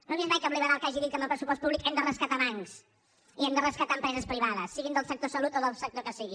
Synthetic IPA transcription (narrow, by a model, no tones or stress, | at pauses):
noβiəmajkamliβəɾalˠkaʒiðit̪əməlˠpɾəsupɔs̚puβlikɛmd̪ərəskət̪amaŋs | iɛmd̪ərəskət̪aəmpɾɛzəspɾiβaðəsːiɣind̪əlˠsək̚t̪osəlut̪oðəlˠsək̚t̪okəsiɣi